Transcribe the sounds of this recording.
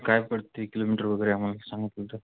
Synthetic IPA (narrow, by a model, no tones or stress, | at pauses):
kajb̚kəɽt̪ːekilomiʈəɾʋəɡəjɾeam̤alasãŋɡit̪let̪ə